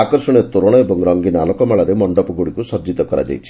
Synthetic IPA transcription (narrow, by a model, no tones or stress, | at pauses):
akɔɾsɔɽ̃et̪oɾɔɽ̃ɔebɔŋɾɔŋɡinalɔkɔmaɭɔɾemɔɳɖɔpɔɡuɽikusɔd͡ʒit̪ɔkɔɾa̰d͡ʒa̰jt͡ʃʰi̥